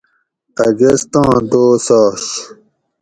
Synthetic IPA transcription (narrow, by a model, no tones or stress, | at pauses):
ɐɡest̪ɑ̃ːd̪oːsɑːɕ